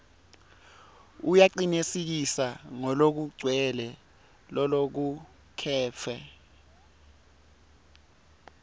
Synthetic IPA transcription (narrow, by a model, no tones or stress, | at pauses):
ujaǃinesik̬isaŋɔlok̬uɡ͡ǀʱwɛlɛ | lɔlok̬u | kʰɛːfʰɛ